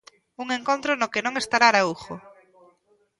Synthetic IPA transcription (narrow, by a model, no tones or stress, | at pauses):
uŋeŋkont̪ɾonokenõŋest̪aɾaɾauxo